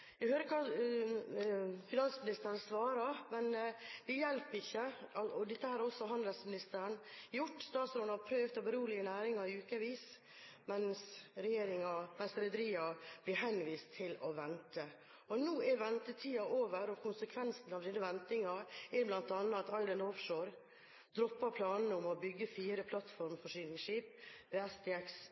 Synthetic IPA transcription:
jæɡhøːɾəkʰɑː | fɪnɑnsmɪnɪst̪əɾənsʋɑːɾɑɾmɛnd̪ɛjɛlpɪçːəɑɔd̪ɪt̪ːəhæːɾɔsːɔɦɑnd̪əlsmɪnɪst̪əɾənjʊʈːst̪ɑːt̪sɾɔnəhɑɾpʰɾøːʋt̪ɔbəɾuːlɪənæːɾɪŋɑɾɪʉːkəʋiːs | mɛnsɾɛjeːɾɪŋɑmɛnsɾɛd̪əɾiːɑb̥lɪɦɛnʋiːst̪ʰːɪlɔʋɛnt̪ə | ɔnuːɛɾʋɛnt̪ət̪ʰiːɑʔoːʋəɾɔkʰʊnsəkʰʋɛnsn̩ɑʋd̪ɪnəʋɛnt̪ɪŋɑɛɾblɑnt̪ɑnːəɑt̪ɑɪd̪ɑnɔfʂoːɾ | d̪ɾɔpːɑɾpʰlɑːnn̩əɔmɔbʏɡːəfiːɾəpʰlɑt̪fɔɾmfɔʂyːnɪŋʃiːpʋeːɛsd̪ɛːɛks

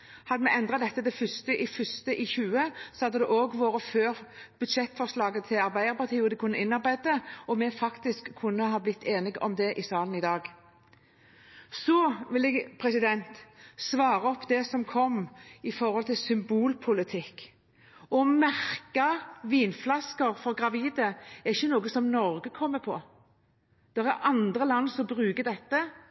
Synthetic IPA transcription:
hɑd̪ːəmɛɛnd̪ʁɑd̪ɛt̪ːəd̪ɛfʏst̪əʔɪfʏst̪əʔɪçʉːəsɔhɑd̪ːəd̪ɛʔoːɡʋoːɾəføːʁb̥ʉd̪ʃɛt̪ːfɔʁslɑːɡət̪ʰɪlɑɾbæɪd̪əɾpɑʁt̪ʰiːɔd̪ɪkʰʊnːəɪnːɑɾbæɪd̪̚əɔmɛfɑkt̪ɪskʰːʊnːəɦɑːblɪt̪ʰːeːnɪɡɔ̰md̪ɛʔɪsɑːln̩ɪd̪ɑːɡ | sɔʋɪlɛːɡpʰʁɛsɪd̪ɛnt̪sʋɑːɾəɔpːd̪ɛsɔmkʰɔmːɪfɔɾʁhɔlt̪ɪlsʏmbuːlpʰʊlɪt̪ʰɪkː | ɔmæʁkɑʋiːnflɑskəɾfɔʁɡʁɑʋiːd̪əɛʁɪçːənoːɡəsɔmnɔɾɡəkʰɔmːəpʰɔ | d̪̥ɛʁæɾʔɑnd̪ʁəlɑnːsɔmbɾʉːɡəd̪ɛt̪ːə

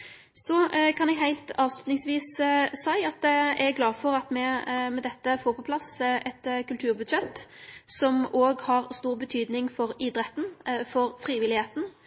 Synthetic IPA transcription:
sɔkʰɑnɛɡɦæɪlt̪ɑːʋslʉt̪nɪŋsʋiːssæɪɑt̪̚d̪ɛɛɾɡlɑːfɔɾɑt̪mɛmɛd̪ɛt̪ːəfoːɾpʰɔpʰlɑsɛt̪kʰʉlt̪ʰʉːɾbʉd̪sɛt̪ːsɔmoːɡhɑʁst̪uːɾbət̪ʰyːd̪nɪŋfɔɾɪd̪ɾɛt̪n̩fɔɾfɾiːʋɪlɪheːt̪n̩

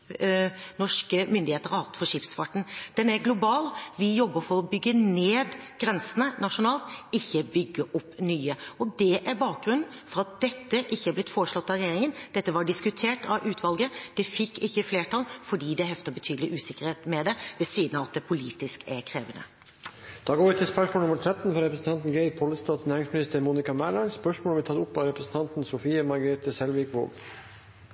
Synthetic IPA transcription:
nɔʂkəmʏnd̪ɪheːt̪əɾɑhɑt̪fɔɾʂɪːpsfɑʈɳ̩d̪̥ɛnæɾɡlʊbɑːlʋɪjɔbːəɾfɔɾɔbʏɡːəneːd̪ɡ̥ɾɛnsənənɑʂʊnɑːlt̪ɪçːəbʏɡːəʔɔpːnyːəɔd̪ɛʔæɾbɑːk̚ɡɾʉnːn̩fɔɾɑt̪̚d̪ɛt̪ːəʔɪçːəæɾblɪt̪foːɾəʂlɔt̪ːɑɾɛjeːɾɪŋənd̪̥ɛt̪ːəʋɑɖɪskʉt̪ʰeːʈɑʔʉːt̪ʰʋɑlɡəd̪̥ɛfɪkːɪçːəfleːʈʰɑlfɔɖiːd̪ɛɦɛft̪əɾbət̪ʰyːd̪lɪʔʉːsɪkəɾheːt̪mɛd̪ɛʋɛsiːd̪ənɑʋɑt̪d̪ɛpʰʊliːt̪ɪskæɾkʰɾeːʋənə̰ | d̪̥ɑːɡoːʋɪt̪ʰɪlspœʂmoːlnʊməɾʈ̪ʰɾɛt̪ːn̩fɔɾɛpɾəsn̩t̪ʰɑnt̪n̩ɡeɪpʰɔləst̪ɑːt̪snæːɾɪŋsmɪnɪst̪əɾmuːnɪkɑmæːlɑɳspœʂmoːʋɪt̪ʰɑt̪ʊpːɑɾɛpɾəsn̩t̪ʰɑnt̪n̩sʊfiːəmɑɾɡəɾeːt̪əsɛlʋɪkʋo̰ːl

